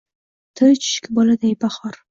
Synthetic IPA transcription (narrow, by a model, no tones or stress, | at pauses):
t̪ʰɨt͡ʃʰɪ̥ʃkʲɪbɒlad̪ajbaχɒɾ